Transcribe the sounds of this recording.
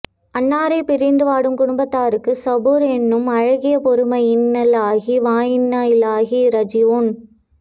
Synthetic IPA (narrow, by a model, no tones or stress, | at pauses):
ɐnːaːɾɐɪpɪɾɪnd̪ɯʋaːɽɯmkʊɽʊmbɐt̪ːaːɾɯkːɯsɐbɯɾɛnːɯmɐɻɐɣɪjɐpɔɾɯmɐɪɪnːɐlaːɣiʋaːjɪnːaːjɪlaːɣiɾɐd͡ʒɪʋon